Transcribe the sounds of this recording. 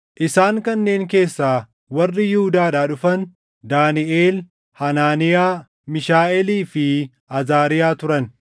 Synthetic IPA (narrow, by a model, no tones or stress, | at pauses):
ʔɪsaːŋkɐnːe̞ːŋk̬e̞ːsːaː | wɐrːɪjɪhʊd̪aːɗaːᶑʊfɐn | d̪aːnɪʔeːl | hɐnaːnɪjaː | mɪʃaːʔɛliːfɪ | ʔɐzaːɾɪjaːt̪ʊɾɐn